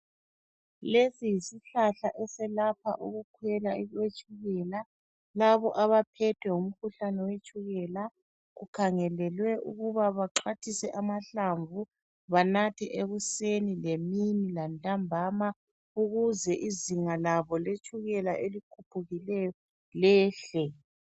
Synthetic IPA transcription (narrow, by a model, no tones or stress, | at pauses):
lesijisiɬaɬaʔɛsɛlapʰa̰ʔuɣukʰwɛlaɛɣwet͡ʃʼuɣɛla | laβɔʔaβapʰɛtʰwɛum̩kʰuɬanɛwet͡ʃʼuɣɛla | ɣukʰaŋɛlɛlwɛʔṵɣuβaβaǁatʰisɛʔamaɬaɱvu | βanatʰɛʔeɣusenileminilantʼambʱama | uɣuzɛʔiziŋalaβɔlet͡ʃʼuɣɛlaʔelikʰupʰuɣilɛjɔ | lɛːɬɛ